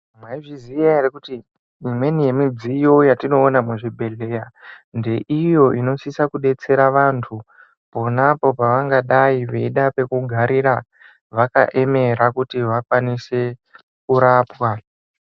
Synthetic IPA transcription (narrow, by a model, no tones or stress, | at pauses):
mwaiʐizijaerekuti | imwe̞nije̞mid͡zijo̞jatino̞ːnamuʐibʱe̞lejande̞ʔijo̞ʔino̞sisakuɗe̞t͡se̞ɾaʋantʰu | po̞napo̞paʋaŋɡaɗaiʋeiɗape̞kuɡʱaɾiɾa | ʋaka̰ʔe̞me̞ɾakutiʋakwanise̞ | kuɾaːpwa